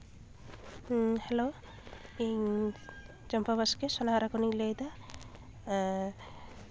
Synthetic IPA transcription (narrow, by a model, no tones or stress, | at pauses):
helo | i | d͡ʒɔmpabaskesɔnaɦaɾakɔniŋlejd̪a